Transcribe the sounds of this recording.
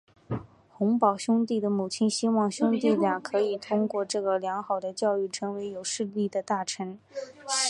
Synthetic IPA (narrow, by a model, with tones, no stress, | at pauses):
xʊ˧˥ŋpɑ˨˩ʊɕʊ˥ŋt̪i˥˩d̪ə˩mu˨˩t͡ɕʰi˥nɕi˥wɑ˥˩ŋɕʊ˥ŋt̪i˥˩lja˥˩kʰɤ˧˥i˨˩t̪ʰʊ˥ŋkwɔ˥˧ʈ͡ʂɤ˥˩ɡə˩ljɑ˧˥ŋxɑ˨˩ʊd̪ə˦t͡ɕjɑ˥˧ʊy˥˩ʈ͡ʂʰɤ˧˥ŋwe˧˥ɪjo˨˩ʊʂɻ̩˥˧li˥˩d̪ə˩t̪a˥˩ʈ͡ʂʰə˧˥n